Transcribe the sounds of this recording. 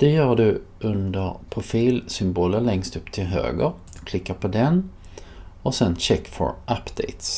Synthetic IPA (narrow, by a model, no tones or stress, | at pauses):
d̪̥ɛjœːɖɵʔɵnd̪əɾpʰɾʊfiːlsʏmboːlənlɛŋst̪ɵpːt̪ʰɪlɦø̰ːɡə̰ɾ | kʰlɪkːapʰɔd̪ɛn | ɔsɛnɕɛkːfɔ̰ɾʔapːd̪̥ɛɪt̪s